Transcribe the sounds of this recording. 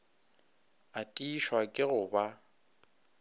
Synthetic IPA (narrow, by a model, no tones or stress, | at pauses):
atʼiʃwakʼɪɣʊba